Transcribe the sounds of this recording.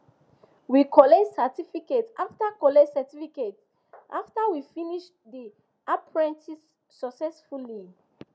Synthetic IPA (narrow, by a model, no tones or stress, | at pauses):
wikɔlɛtsatifiketaftakɔlɛtsatifiket | ʔaftawifiniʃ | di | ʔapʰɹɛ̃ntisː | ɔksɛsfuli